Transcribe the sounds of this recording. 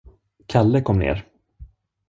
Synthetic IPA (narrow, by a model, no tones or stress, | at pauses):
kʰalːəkʰɔmːnḛːɾ